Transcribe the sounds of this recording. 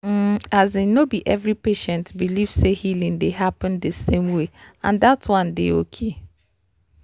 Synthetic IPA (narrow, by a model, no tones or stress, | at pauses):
m̩azɪnobiʔɛvɾipeʃɛ̃ntbiliv̥sehilĩŋdeɦapɨ̃ndəsẽmweã̰ndatwʌ̃ndɪ̰o̰kʰe